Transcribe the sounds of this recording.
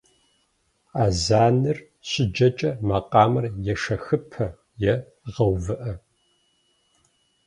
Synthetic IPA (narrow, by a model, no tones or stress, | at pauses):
aːzaːnɨr | ɕʼɪd͡ʒɐt͡ʃʼɐmɐqʼɑːmɐrjɛʂɐxɨpʰɐ | jɛ | ʁɐwvɨʔɐ